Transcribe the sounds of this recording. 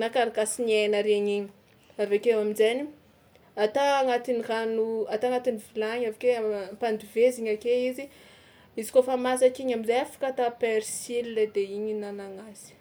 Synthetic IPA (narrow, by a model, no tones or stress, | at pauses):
nakaɾakasinienəɾeɲiɲi | avekewamizani | at̪aːŋat̪iniranuat̪aŋat̪inivilaɲavakempand̪iveziɲakeizi | izi̥kofamasakiɲamizeafḁkat̪apeɾsililed̪eiɲinanaŋazi̥